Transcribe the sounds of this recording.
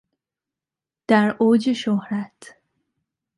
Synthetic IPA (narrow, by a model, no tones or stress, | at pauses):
d̪̥æɾʔoːd͡ʒeʃohɾæt̪ʰ